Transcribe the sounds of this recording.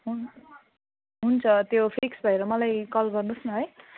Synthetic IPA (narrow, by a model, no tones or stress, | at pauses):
ɦu | ɦunt͡sʰʌt̪jopʰiksbʱʌeɾʌmʌlajkʌlɡʌrnusnʌɦʌj